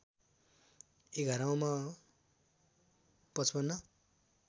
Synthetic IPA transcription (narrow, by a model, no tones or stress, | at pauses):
ekʌɾaw̃ma | pʌt͡sʰbʌnːʌ